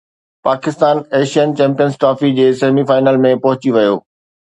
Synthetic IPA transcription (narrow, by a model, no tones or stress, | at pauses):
paːkɪst̪aːneːʃijənt͡ɕɛ̃ːmpijənsʈɾaːfid͡ʑeːseːmifaːɪnəːlmẽpɐɦʊt͡ɕiʋɐjoː